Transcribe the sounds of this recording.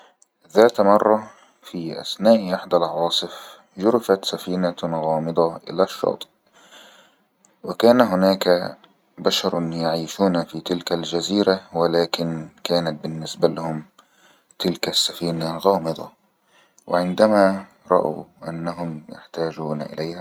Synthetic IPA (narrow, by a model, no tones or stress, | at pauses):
ðaːt̪mɑrˤːɑ | fiːʔa̰snaːʔʔɪħd̪alʕɑwɑːsˤɨf | ʒʊɾɪfat̪safiːnaɣɑːmɨd̪ˤɑʔɪ̰laʃːɑ̰ːt̪ˤʔ | wɪkaːnaɦʊnaːka | baʃɑɾˤjaʕiːʃuːnfiːt̪ɪlkald͡ʒaziːɾawɪlaːkɪnkaːnat̪̚bɪnːɪsbalahʊm | t̪ɪlkasːafiːnaɣɑːmɨd̪ˤɑ̰ | wɪ̰ʕɪnd̪ama | ɾˤɑ̰ʔa̰ʔa̰nːaɦʊmjaħt̪aːd͡ʒuːnʔɪ̰lajha